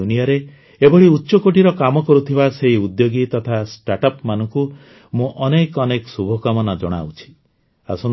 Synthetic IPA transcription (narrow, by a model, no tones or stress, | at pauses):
uniaɾe | ebɔɭiutːʃɔkoʈiɾɔkamɔkɔɾut̪ʰibaseɦiud̪joɡit̪ɔt̪ʰasʈaʈɔpmanɔŋku | mũʔɔnekɔnekɔsubʱɔkamɔnad͡ʒɔɽ̃a̰ut͡ʃʰi̥ | a̰sɔn